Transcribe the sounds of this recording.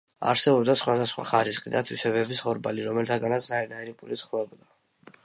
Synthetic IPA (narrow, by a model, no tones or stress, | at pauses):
a̰ɾsɛbɔbd̪asχwad̪asχwa̰χaɾisχid̪at̪ʰwisɛβɛbisχɔɾbaliɾɔmɛlt̪ʰaɡanat̪sʰɾaiɾinaiɾipʼulit̪sχvɛbɔd̪a